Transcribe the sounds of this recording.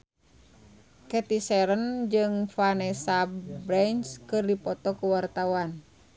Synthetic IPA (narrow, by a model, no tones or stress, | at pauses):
kɛt̪isɛɾənd͡ʒɨŋfanɛsabɾɛnskɨrdipɔt̪ɔkuwart̪awan